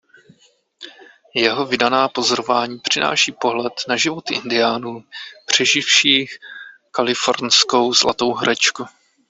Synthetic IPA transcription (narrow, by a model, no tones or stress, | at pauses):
jɛɦo̞vɪdanaːpo̞zoɾovaːɲiːpr̝̥ɪna̰ːʃiːpo̞ɦlɛt̪naʒɪvo̞t̪ɪʔɪ̰ndɪjaːnuːpr̝̥ɛʒɪfʃiːxkalɪfo̞ɾnsko̞wzlat̪o̞wɦɾʔɛt͡ʃku